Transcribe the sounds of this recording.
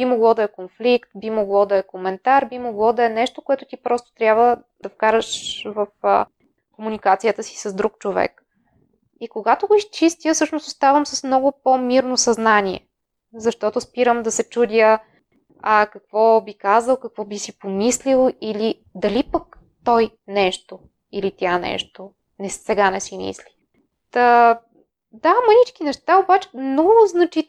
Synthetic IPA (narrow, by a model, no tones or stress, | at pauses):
b̥imoɡlˠɔd̪ɐɛkonflikt̪bimoɡlˠɔd̪ɐɛkomɛnt̪aɾbimoɡlˠɔd̪ɐɛnɛʃt̪okoɛt̪ʊt̪ipɾɔst̪o̥t̪ɾʲjabvə | d̪̥ɐfkaɾəʃvəf | komunʲikat̪sijət̪əsi̥sɐzd̪ɾuk̚t͡ʃovɛ̰k | ikoɡat̪oɡoist͡ʃist̪ʲijəsɤʃnost̪ʊst̪avəmsəsmnɔɡʊpomiɾnosɐznanʲiɛ̰ | zɐʃt̪ɔt̪ʊspiɾəmd̪ɐsɛt͡ʃud̪ʲəː | kɐkvɔbikazəlˠkɐkvɔbisipomislilˠili | d̪ɐlipək | t̪ɔjnɛʃt̪o | ilit̪ʲianɛ̰ʃt̪o | nɛsɛɡanɛsimḭsli̥ | t̪ə | d̪amənit͡ʃkinɛʃt̪aobat͡ʃɛ̥mnɔɡʊznɐt͡ʃi